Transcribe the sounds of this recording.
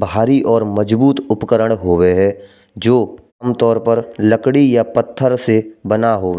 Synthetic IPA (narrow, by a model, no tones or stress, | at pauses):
bʱaːɾiʔɔːɾməd͡ʒbuːt̪ʊpkəɾəɽ̃ɦoːweɦɛ | d͡ʒoː | mt̪ɔːɾpəɾləkɽijapət̪ʰːəɾsebənaɦoː